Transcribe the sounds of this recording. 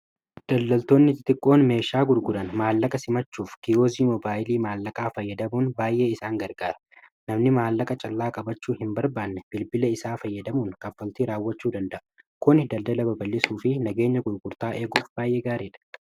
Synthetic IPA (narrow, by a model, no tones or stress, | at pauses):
d̪̥ɐlːɐlt̪o̞ːnːɪt̪ɪt̪ʼɪkʼːo̞ːnme̞ːʃaːɡʊɾɡʊɾɐnmaːlːɐkʼɐsɪmɐt͡ʃːuːfkɪoːziːmɔbaːjɪliːmaːlːɐkʼaːfɐjːɐd̪ɐmuːnbaːjʔe̞ːɪsaːŋɡɐɾɡaːɾɐ̥nɐmnɪmaːlːɐkʼɐt͡ʃʼɐlːaːkʼɐbɐt͡ʃːuːhɪmbɐɾbaːnːɛb̥ɪlbɪlɐɪsaːfɐjːɐd̪ɐmuːŋkɐfːɐlt̪iɾaːwːɐt͡ʃːuːd̪ɐnd̪ɐʔɐ | kʊnd̪ɐld̪ɐlɐbɐbɐlːɪsuːfɪnɐɡe̞ːɲːɐɡʊɾɡʊɾt̪aːʔeːɡuːfbaːjʔeːɡaːɾeːᶑɐ̥